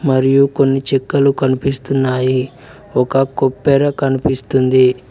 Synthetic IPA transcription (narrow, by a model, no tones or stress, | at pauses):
mɐɾijuko̞nːit͡ʃɛkːɐlukɐnipist̪unːaːji | ɔkɐkopːɛɾɐkɐnipist̪und̪i